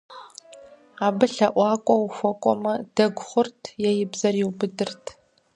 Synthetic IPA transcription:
aːbɨɬɐʔʷɑːkʷʼɔwuxʷɔkʷʼɔ̰mɐd̥ɐɡʷʊχʷʊrtʰjɛjɪbzɐriwbɨdɨrtʰ

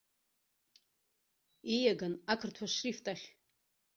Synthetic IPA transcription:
ijaɡanakʰɨrtʰaʂriftʼaχʲ

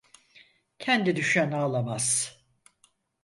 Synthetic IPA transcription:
cʰɛnd̪id̪yʃænaalˠamaz̥

